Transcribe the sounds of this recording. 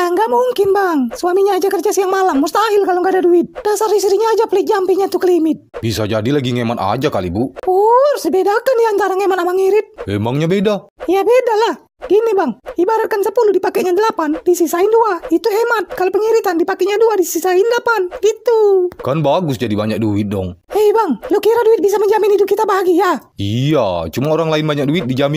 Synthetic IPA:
aŋɡaʔmuŋkinbaŋsuamiɲaːd͡ʒakərd͡ʒasijaŋmalamːust̪aːɦilkaloŋɡadaduit̪̚d̥asarhisɾiɲaːd͡ʒaplɛk̪̚d͡ʒampɛɲat̪uklimit̪̚bisad͡ʒadilaɡiŋɛmana̰d͡ʒakalḭbupursɛbɛdakandiant̪aɾaŋɛmanamaŋiɾit̪̚mɛ̰maŋɲabɛdaijabɛdalah | ɡ̥inibaŋibaɾat̪̚kansəpuludipakɛʔɲadəlapandisisainduait̪uɦɛmat̪̚kalopəŋiɾit̪andipakɛʔɲaduadisisaindəlapanɡit̪ukanbaɡʊsd͡ʒadibaɲak̚duit̪̚dɔ̰ŋɛbaŋlɔkiɾaduit̪̚bis̬aməɲd͡ʒaminidukit̪abaɡijaiat͡ʃumaoɾaŋlainbaɲak̚duit̪̚did͡ʒam

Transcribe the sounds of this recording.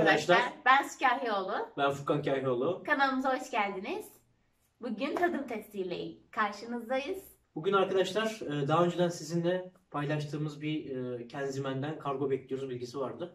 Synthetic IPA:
ad̪aʃlˠaɾbænsi̥caːɦio̞lˠʊbænfukʰancʰaːɦiolˠukʰanalˠɯmɯzaɦo̞t͡ʃcælʲd̪iniz̥ | buɟynt̪ʰad̪ɯmt̪ʰɛksiːlʲḛjḭkʰaɾʃɯnɯzd̪ajɯz̥ | b̥uɟynaɾkad̪aʃlˠaɾ̥ːd̪aɦaø̞nd͡ʒed̪ænsizind̪ɛ | pʰajlˠaʃt̪ʰɯːmɯzbicʰænzimænd̪ænkʰaɾɡo̞bɛclʲijoɾyzbilʲɟisivaɾd̪ɯ

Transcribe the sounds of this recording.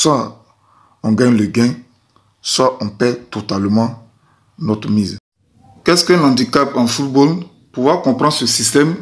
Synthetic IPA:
swa | ɔ̃ɡãɲlɛɡɛ̃ | swaʔɔ̃pɛt̪ot̪almɑ̃ | nɔt̪miz | kɛskɛlãdikapãfut̚bol | puvwakɔ̃pɾɑ̃nsəsist̪ɛm

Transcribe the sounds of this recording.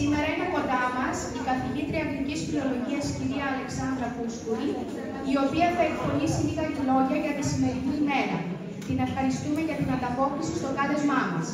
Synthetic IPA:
sime̞ɾɐineko̞nd̪ɐmɐsikɐθilit̪ɾiɐnd̪ɾicisfilo̞lo̞ʝiɐsciɾiɐːle̞ksɐnd̪ɾɐkuskuɾiː | o̞piɐθɐe̞kpo̞nisiliɣɐilo̞ʝɐʝɐt̪isime̞ɾinime̞ɾɐ | t̪ine̞fxɐɾist̪umeʝɐt̪inɐnd̪ɐpo̞klisist̪o̞ɡɐle̞zmɐmɐs

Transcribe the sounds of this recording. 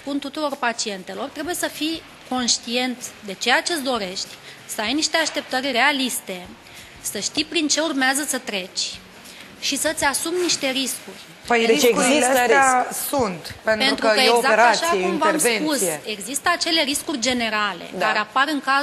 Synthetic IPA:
punt̪ut̪uɾo̞rpat͡ʃie̞nt̪e̞lo̞rt̪ɾe̞buje̞səfi | ko̞nʃt̪ie̞nt̪d̪e̞t͡ʃe̞jat͡ʃe̞d̪o̞ɾe̞ʃt̪ʲ | səajniʃt̪e̞aʃt̪e̞p̚t̪ərʲre̞alist̪e̞ | səʃt̪ipɾint͡ʃe̞urmeazəsət̪ɾe̞t͡ʃʲ | ʃisət̪sʲasumniʃt̪e̞ɾiskurʲ | pəjd̪eeɡzit̪easunt̪pentpe̞ɾnɾtukɾuəeɡzaekɾaʃaieumvarsvenpusee̞ɡzist̪əat͡ʃe̞le̞ɾiskurʲd͡ʒe̞ne̞ɾale̞̰dk̪aɾe̞apaɾɨŋka

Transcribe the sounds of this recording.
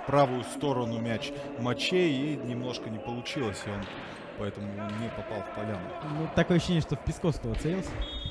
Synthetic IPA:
pɾavʊjʊst̪o̞ɾənʊmʲæt͡ɕ | mɐt͡ɕejinʲɪmno̞ʂkənʲɪpəlˠʊt͡ɕilˠəsʲɪo̞n | pɐɛt̪əmʊnʲɪpɐpɑlˠfpɐlʲanɡʊnut̪ːɐkoəɕːɕenʲɪəʂt̪ofʲpʲɪskofskəvət̪sɐɾʲilˠsʲə

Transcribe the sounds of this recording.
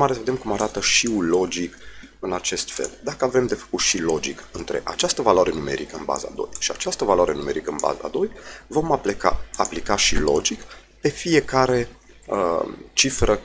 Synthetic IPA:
maɾesəve̞d̪emkumaɾat̪əʃiulo̞d͡ʒik | ɨnat͡ʃe̞st̪fḛld̪akəavɾe̞md̪e̞fə̥kuʃilo̞d͡ʒikɨnt̪ɾe̞̰ʔat͡ʃast̪əvaloaɾenume̞̰ɾʔikəɨnba̰za̰d̪o̞̰jʃiat͡ʃast̪əvalwaɾe̞nume̞ɾikəɨnba̰za̰d̪o̞jvo̞mkaaplikaʃilo̞̰d͡ʒik | pe̞fije̞kaɾe̞ | ə̰t͡ʃifɾə

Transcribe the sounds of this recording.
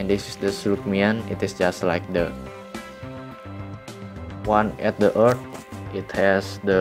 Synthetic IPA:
ɛ̃ndɪsɪsdəsluk̚miə̃nɪ̰tɪsd͡ʒastlajk̚də | wãnɛt̪̚dəʔəɹtit̪̚hɛsdə

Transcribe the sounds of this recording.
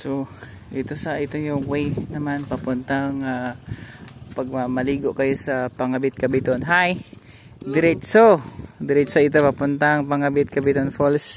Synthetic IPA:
so | ʔɪt̪osaʔɪt̪ojʊŋwejnɐmanpɐpʊnt̪aŋa | pɐɡ̚mamɐliːɡoʔkɐjosapɐŋabɪt̪̚kɐbɪt̪onɦaj | d̪ɪɾɛtsod̪ɪɾɪt̪soɪt̪̬opɐpʊnt̪aŋpɐŋɐbɪt̪̚kɐbɪt̪onfols

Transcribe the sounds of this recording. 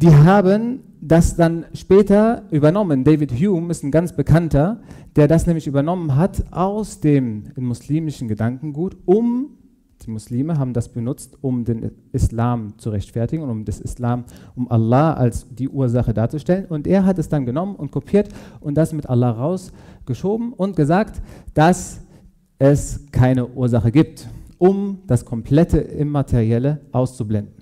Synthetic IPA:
d̥iːɦaːbən | dasd̥anʃpɛːtɐʔyːbɐnɔməndeɪvɪthjuːmɪstnɡant͡sb̥əkʰantɐd̥eːɐdasnɛːmlɪçʔyːbɐnɔmənɦatʔaʊsd̥eːmːʊsliːmɪʃn̩ɡədaŋkŋ̩ɡuːtʔʊm | d̥iːmʊsliːməɦaːbm̩dasb̥ənʊt͡stʊmdeːnʔɪslaːmt͡suʁɛçtfɛɐtɪɡŋ̩ʊʊmdɛsɪ̰slaːmʔʊmʔa̰lːaːʔa̰lsd̥iːʔuːɐzaχədaːɐt͡suʃtɛlənʊntʔeːɐɦatɛsd̥anɡənɔmənʊnt̚kʰopʰiːɐtʔʊntd̥asmɪtʔa̰lːaːʁaʊsɡ̥əʃoːbm̩ʔʊnt̚ɡ̥əzaːktd̥as | ʔɛskʰaɪnəʔuːɐzaχəɡiːp̚tʔʊmd̥askʰɔmpʰl̥ɛtʰəɪmːatʰeʁiɛləʔaʊst͡sublɛndn̩

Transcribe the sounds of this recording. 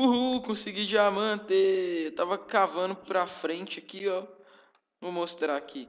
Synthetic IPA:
buɦukõsiɡid͡ʒɪamɐ̃t̪eewt̪avɐkavɐ̃nʊpɾɐfɾẽt͡ʃɪɐkiɔ | vomost̪ɾaki

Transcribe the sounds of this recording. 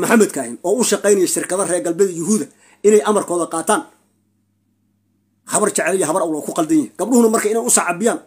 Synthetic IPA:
mʊħamːɐd̪kʰɐhɪnɔːʊʃɑqɛjnɐjɛʃɪrkʰɐðɐrɛːɡɐlbɛðɐjʊɦuːðɐ | ɪnɛjʔɐmɐrkʰɔːðɐqɑːt̪ʰaːn | hɐβɐrt͡ʃɐʕɛlijɐɦɐβɐrɐwlɔːkʰʊqɑld̪ɐjɐhɛɡ̥ɐb̚ɗʊhʊnɐmɐrkʰɐɪnɛjʊsɑʕɑbɪjaːn

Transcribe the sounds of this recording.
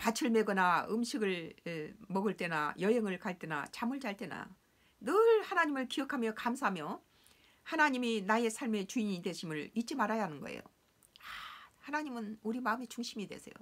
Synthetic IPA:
pat͡ɕʰɯɭme̞ɡʌnaɯmɕʰiɡɯɭ | mʌɡɯɭt͈e̞na̰jʌɦeŋɯɭkaɭt͈e̞na̰t͡ɕamɯɭt͡ɕaɭt͈e̞na̰ | nɯɭhanaɲimɯɭkijʌkʰamjʌkamsʰaɦamjʌ | hanaɲiminae̞sʰaɭme̞t͡ɕuiɲidwe̞ɕʰimɯɭit̚t͡ɕ͈imaɾajaɦanɯnɡʌ̰ḛjo̰ | ahanaɲimɯnuɾimaɯme̞t͡ɕuŋɕʰimidwe̞̰sʰe̞̰jo̰

